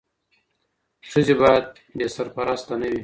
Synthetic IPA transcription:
ʂuzebajad̪̚ | besaɾpaɾast̪anəwi

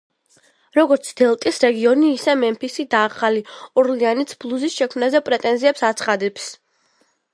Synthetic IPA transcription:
ɾɔɡɔɾt̪sʰd̪̥ɛlˠt̪ʼisɾɛɡiɔniːsɛmɛmpʰisid̪aːχaliɔɾlianit̪sʰblˠuzisʃɛkʰmnazɛpʼɾɛt̪ʼɛnziɛpsat̪sʰχad̪ɛps

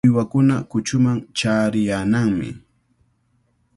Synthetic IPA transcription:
ɪwakʊnakʊt͡ʃʊmaŋt͡ʃaːɾɪjaːnaŋmɪ̰

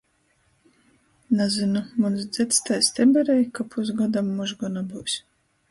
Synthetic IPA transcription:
nazɨnumunsd̪z̥ʲɛt̪st̪ajst̪ʲɛbɛɾɛjkapʰusɡad̪amːuʒɡɔnabuwsʲ

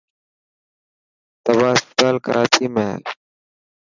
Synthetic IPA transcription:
t̪əbaːsk̪aːlkə̰ɾʔaːt͡ʃiːmẽːɦl

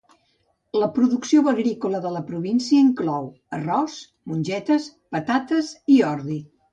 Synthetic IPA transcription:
ləpɾuðuksioβəɣɾikuləðələpɾuβinsiəiŋklɔw | ərɔs | munʲʒɛt̪əspət̪at̪əziɔɾði

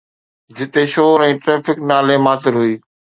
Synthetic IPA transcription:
d͡ʑɪt̪eʃoːɾɛ̃ːʈɾeːfɪknaːlemaːt̪ɪɾɦʊiː

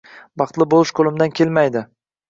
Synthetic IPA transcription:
bɑχt̪lɪbolˠɪʃkʰolɪmd̪ankʲʰe̞lmajd̪ɪ

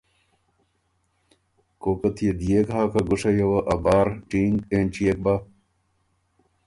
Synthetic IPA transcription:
koːkɐt̪ʰijed̪ijekɦaːkɐɡuʂɐjɐwɐʔɐbaːɾʈiːŋɡeːnt͡ɕijek̚ba

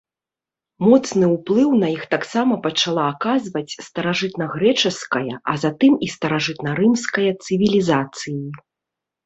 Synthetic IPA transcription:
mɔt̪snɨwplˠɨwnɐjixt̪aksamɐpɐt͡ʂalˠaːkazvɐt͡sʲst̪ɐɾaʐɨt̪nɐɣɾɛt͡ʂɐskɐjɐʔɐ̰zat̪ɨmist̪ɐɾaʐɨt̪nɐɾɨmskɐjɐt̪sɨvʲilʲizat̪sɨji

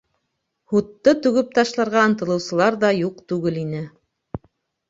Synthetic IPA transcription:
hut̪ːɤt̪ʉɡɘp̚t̪ɑʃlˠɑɾʁɑɤ̆nt̪ɤ̆lˠɤ̆wsɤ̆lˠɑɾðɑjuqt̪ʉɡɘlinɘ

